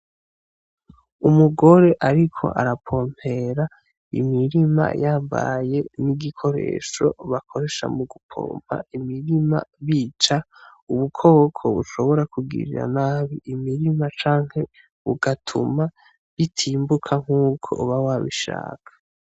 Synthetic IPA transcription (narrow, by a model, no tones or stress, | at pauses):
umuɡo̞ɾe̞ʔaɾikʰo̞̰ʔa̰ɾapʰo̞ːm̥e̞ɾa | ḭmiɾima̰jaːmba̰jeniɡikʰo̞ɾe̞̰ːʃo̞̰βakʰo̞ɾe̞ʃa̰muɡupʰo̰ːm̥a̰imiɾima̰βiːt͡ʃauβukʰo̞ːkʰo̞βuʃo̞βo̞ɾakuɡḭɾḭɾa̰naːβiʔːmiɾimat͡ʃaːŋ̥he̞ | βuɡatʰṵma | βitʰiːmbukʰaŋ̥uːkʰo̞̰βawaβḭʃa̰ːkʰḁ